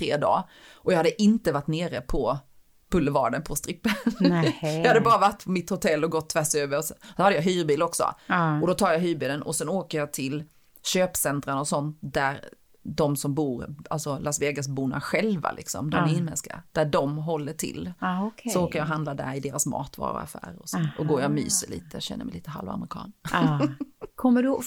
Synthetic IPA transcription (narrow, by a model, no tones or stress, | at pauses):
t̪ʰɾḛːd̪ɑ̰ː | ʔɔjɑhad̪ːəʔɪnt̪əvaʈːneːɾəpʰɔ | pɵlːəvɑ̰ːɖənpʰɔst̪ɾɪpːə | jɑhad̪ːəbɑːɾavaʈːpʰɔmɪt̪hʊt̪ʰɛlːɔɡɔt̪ʰːvæʂøːvəɾɔssɔhad̪ːəjɑɦyːɾbiːlɔksɔ̰ɔd̪ɔt̪ʰɑːɾjɑɦyːɾbiːlənɔsɛnoːkəɾjɑːt̪ʰɪl | ɕøːpsɛnt̪ɾanɔsɔnt̪̚d̪æɾ | d̪ɔmsɔmbuːɾalsɔlasveːɡasbuːna̰ɧɛlva̰lʔɪksɔ̰md̪ɔmæɾɪnmɛnska̰d̪̥æɖɔmɦɔlːəʈʰɪ̰lkʰsɔoːkəjɑɦand̪lad̪æ̰ɾɪd̪eːɾasmɑ̰ːt̪vɑ̰ːɾɔ̰a̰fæ̰ːɾɔsɔɔɡoːɾjɑmy̰ːsəɭḭːt̪əɕɛ̰nːə̰mɛjliːt̪əɦa̰lva̰mɾɪkʰɑ̰ːn | kʰɔmːəɖ